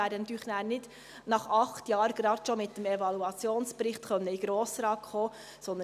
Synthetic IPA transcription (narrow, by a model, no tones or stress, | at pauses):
æːɾdənɑt̪yːχnæːɾnɪd̥ | nɑχɑχt̪jɑːɾɡ̥ɾɑdʃomɪt̪ːəmɛvɑluɑt͡sjoːnspɾɪχtχœnːəiɡ̥ɾoːsɾɑːkχoː | sɔnd̪